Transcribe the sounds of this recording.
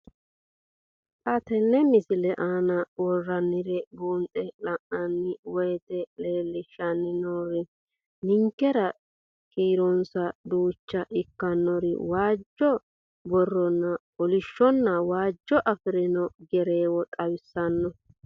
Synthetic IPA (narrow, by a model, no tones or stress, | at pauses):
ʔɐt̪ɛnːɛmɪsɪlɛʔaːnɐwɔrːɐnːɪɾɛbuːnt̪ʼɛlɐʔɐnːɪwɔjt̪ɛleːlːɪʃɐnːɪnɔɾɪ | nɪŋkːɛɾɐ | kiːɾɔnsɐd̪uːt͡ʃːɐʔɪkːɐnːɔɾɪ̰waːd͡ʒːɔ | bɔrːɔnːɐ | ɔlɪʃːɔnːɐwaːd͡ʒːɔʔɐfɪɾɪnɔɡɛɾe̞ːwɔt̪ʼɐwɪsːɐnːɔ